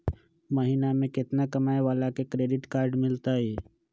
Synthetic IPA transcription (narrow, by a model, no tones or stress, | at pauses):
məɦiːnamẽkɪt̪nakəmaːeʋaːlakekɾeːɖɪʈkaːɾɖmɪlt̪aɦɛː